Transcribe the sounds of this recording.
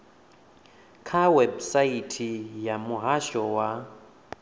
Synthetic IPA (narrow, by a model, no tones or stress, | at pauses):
kʰawɛbsaitʰijamuɦaʃɔwa